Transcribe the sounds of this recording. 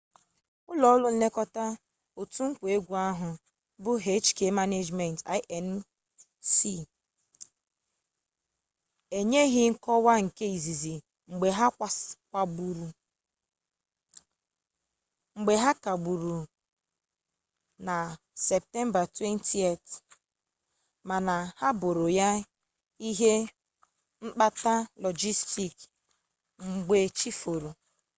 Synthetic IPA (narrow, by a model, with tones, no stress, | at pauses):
ʊ˦lɔ˨˦lʊ˦n̩˦le˦kɔ˦ta˦ | o˨tu˦ŋ̩˦kʷe˦ɡʷu˨a˦ɦʊ˨ | bʊ˦ɦe˦t͡ʃke˨ma˦ne˦d͡ʒme˨nta˦ʔɛ˨n | si˦ | e˨ɲe˦ɦɪ˦ŋ̩˦kɔ˦wa˦ŋ̩˨ke˦i˨zi˨zi˨ | ŋ͡m̩˨ɡ͡be˨ɦa˦kʷkʷa˨bu˨ɾu˨ | ŋ͡m̩˨ɡ͡be˨ɦa˦ka˨ɡ͡bu˨ɾu˨ | na˨ | sɛ˨p̚tɛ˦mba˨twe˦ntʰi˦e˦˨t | ma˨na˨ha˦bo˨ɾo˨ja˦ | i˦ɦe˦ | ŋ͡m̩˦k͡pa˦ta˦lɔ˨d͡ʒi˦sti˨k | ŋ͡m̩˨ɡ͡be˨t͡ʃi˦fo˨ɾo˨